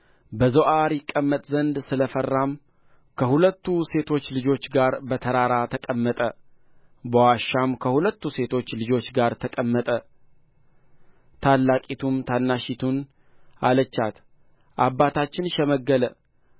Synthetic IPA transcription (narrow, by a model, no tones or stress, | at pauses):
bəzəʔaɾjɪkʼːəmːət̪ʼzənd̪sɨləfərːam | kʰəhulət̪ːuse̞t̪ʰo̞t͡ʃːlɨd͡ʒo̞t͡ʃːɡaɾbət̪ʰəɾaɾat̪ʰəkʼəmːət̪ʼə | bəwaʃːamkʰəhulət̪ːuse̞t̪ʰo̞t͡ʃːlɨd͡ʒo̞t͡ʃːɡaɾt̪ʰəkʼəmːət̪ʼə | t̪ʰalːakʼit̪ʰumt̪ʰanːaʃit̪ʰun | a̰lət͡ʃːat̪ | ʔabːat̪ʰat͡ʃːɪnʃɛməɡːələ